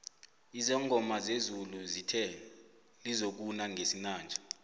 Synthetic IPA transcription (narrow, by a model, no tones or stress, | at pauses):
izɛŋʱɔmazezuluzitʰɛ | lizok̬unaŋʱesinaːnd͡ʒʱḁ